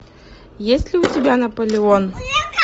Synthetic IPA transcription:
jesʲlʲɪʊtʲɪbʲanɐpəlʲɪon

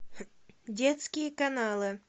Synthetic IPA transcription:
dʲet̪skʲɪjəkanalˠɨ

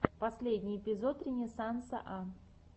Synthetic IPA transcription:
pɐsʲlʲedʲnʲɪjɪpʲɪzo̞t̪ɾʲɪnʲɪsant̪sɨəʔa

